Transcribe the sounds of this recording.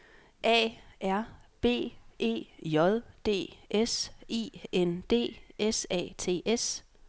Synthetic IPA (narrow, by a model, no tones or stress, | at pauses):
ʔɛ̰ːʔæɐ̰b̥e̝̰ːʔe̝̰ːjɒ̽ðˠd̥e̝̰ːʔesḭːend̥e̝̰ːesɛ̰ːt͡sʰe̝̰ːʔes